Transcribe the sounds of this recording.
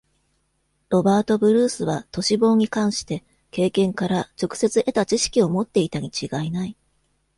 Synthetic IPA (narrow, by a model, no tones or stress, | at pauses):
ɾo̞baːt̪o̞bɯ̟ɾɯ̟ːsɨβ̞at̪o̞ɕibo̞ːɲ̟ikãɰ̃ɕi̥t̪e̞ | ke̞ːkẽ̞ŋkaɾat͡ɕo̞kɯ̟̥se̞t͡sɨʔe̞t̪at͡ɕiɕi̥kʲio̞mo̞t̪ːe̞it̪aɲ̟it͡ɕiɡainai